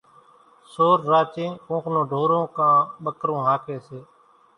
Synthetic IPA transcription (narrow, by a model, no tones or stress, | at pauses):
soːɾːaːt͡ʃẽːkõːknõːɖʱoːɾõːkãːɓəkɾõːɦaːkʰeːseː